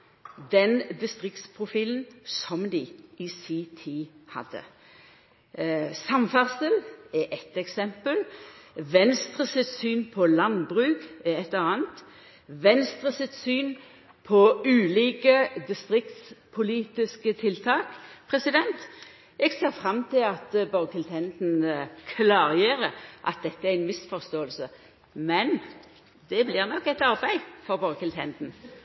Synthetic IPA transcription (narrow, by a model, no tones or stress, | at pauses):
d̪ɛnd̪ɪst̪ʁɪk̚t̪spʰʁʊfiːln̩sɔmd̪ɪɪsiːt̪ʰiːhɑ̰d̪ːə̰ | sɑmfæʁsəlɛʔɛt̪ɛksɛmpəlʋɛnst̪ʁəsɪt̪syːnpʰɔlɑnbʁʉːɡɛɛt̪ləʁɑːnt̪ | ʋɛnst̪ʁəsɪt̪syːn | pʰɔʉːliːkəd̪ɪst̪ʁɪkt̪spʰʊliːt̪ɪskət̪ʰɪlt̪ʰɑːkpʰʁɛsɪd̪ɛnt̪ | ɛɡseːʁfʁɑmt̪ʰɪlɑt̪bɑɾkʰɪlt̪ʰɛnt̪nkʰlɑːʁjeːɾəʔɑt̪̚d̪ɛt̪ːəæɪnmɪsfɔʁst̪oːəlsə | mɛn | d̪̥ɛblɪʁnɔkːɛt̪ɑɾbæɪfɔʁbɔɾkʰɪlt̪ʰɛnd̪n̩